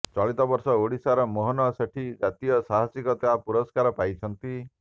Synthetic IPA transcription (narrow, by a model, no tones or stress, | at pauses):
t͡ʃɔɭit̪ɔbɔɾsɔoɽisaɾɔmoɦɔnɔseʈʰid͡ʒat̪ijɔsaɦasikɔt̪aapuɾɔskaɾɔpajt͡ʃʰɔnt̪i